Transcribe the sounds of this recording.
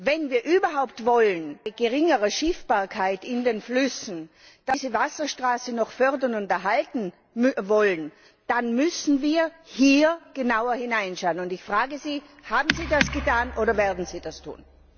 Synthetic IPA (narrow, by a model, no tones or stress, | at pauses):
vɛnviːɐʔyːbɐɦaʊp̚tv̥ɔlənɡ̥əʁɪŋəʁəʃɪfb̥aːɐkʰaɪtɪndeːnflʏsn̩ | d̥azəvasɐʃtʁ̥aːsənɔχfœɐdɐnʊntɛɐɦaltn̩ | mvɔlən | d̥anmʏsn̩viːɐhiːɐɡ̥ənaʊɐhɪnaɪnʃaʊənʊndɪçfʁ̥aːɡəziːhaːbm̩ziːdasɡ̥ətʰaːnʔoːɾɐvɛːɐdn̩z̥iːd̥astʰṵːn